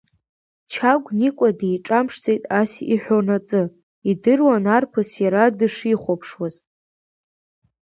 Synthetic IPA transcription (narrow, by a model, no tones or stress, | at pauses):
t͡ʃʰaɡʷnikʷʼadejʈ͡ʂʼamʂt͡sʼejtʼasiħʷᶣonat͡sʼɨ | idɨrwanarpʰɨsjaɾadɨʂiχʷopʰʂwaz